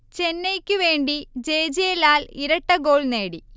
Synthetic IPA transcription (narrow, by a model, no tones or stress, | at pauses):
t͡ɕenːejkʲːɨʋeːɳɖid͡ʑe̞ːd͡ʑijelaːliɾɐʈːɐɡo̞ːɭneːɽi